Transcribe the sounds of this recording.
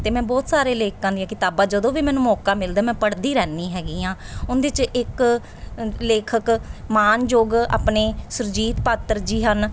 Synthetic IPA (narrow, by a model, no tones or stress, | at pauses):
t̪eːmɛ̃ːbɔːt̪saːɾeːleːkːãːnd̪ijãːkɪt̪aːbãːd͡ʒəd̪õːʋiːmɛːnũːmɔːkãːmɪld̪aːmɛ̃ːpəɽd̪iːɾɛːnːĩːɦɛːɡiːãːʊnd̪eɪt͡ʃɪk | leːkʰəkmaːnd͡ʒoːɡa̰ːpneːsʊɾd͡ʒiːt̪paːt̪ːəɾd͡ʒiːɦən